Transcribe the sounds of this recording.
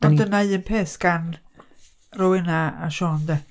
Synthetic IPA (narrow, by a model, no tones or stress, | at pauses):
ndənaɨənpʰeːsɡ̥an | rɔwɪnaaʃoːnd̪ɛ